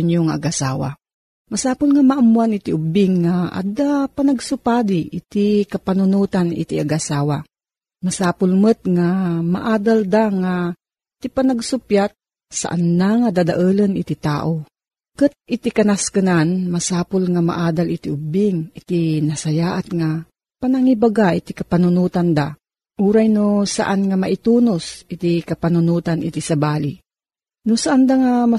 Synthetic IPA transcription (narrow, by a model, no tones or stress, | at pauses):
ɲjoŋaʔɐɡʔasaːwa̰ | mɐsaːpʊlŋamaʔamwanɪt̪iʔʊbɪŋːaʔa̰d̪apanɐɡsʊpaːd̪iʔɪ̰t̪ikɐpanʊnuːt̪anʔɪ̰t̪iʔaɡʔasaːwa | mɐsaːpʊlmɨt̪̚ŋama̰ʔaːd̪ald̪aŋa | t̪ipanɐɡsʊpjat̪̚ | sa̰ʔanːaŋad̪ad̪aʔəlɐnʔɪt̪it̪a̰ːʔo | kɨt̪̚ɪt̪ikɐnaskɨnanmɐsaːpolŋama̰ʔaːd̪alɪt̪iʔʊbɪŋɪt̪inɐsɐjaːʔat̪̚ŋa | panaŋibaɡaʔɪt̪ikɐpanʊnuːt̪and̪a | ʔuːɾajnosa̰ʔanŋamaʔɪt̪uːnosʔɪt̪ikɐpanʊnuːt̪anʔɪt̪isɐbaːli | nʊsaʔand̪aŋama